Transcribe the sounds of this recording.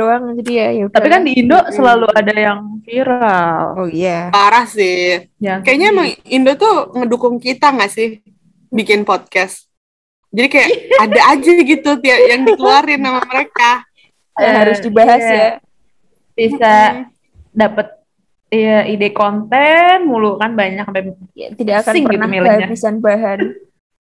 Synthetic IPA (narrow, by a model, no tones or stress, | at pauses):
oaŋd͡ʒadijajat̪apikandiːndoʔsəlaluadajaŋfiɾalojabaɾasɪ | jakajaɲamaŋindot̪uŋədukʊŋkit̪aŋasɪh | bikɪnpot̪̚kɛst̪ | d͡ʒadikajaadaːd͡ʒaɡit̪ut̪iajaŋdikəluaɾɪnːamaməɾeka | jahaɾʊsdibaɦasja | b̥isa | dapət̪̚ | ijaʔidekont̪ɛnmulukanbaɲak̚bam̰t̪idakakaŋpənamilɪaɲabisanbaɦan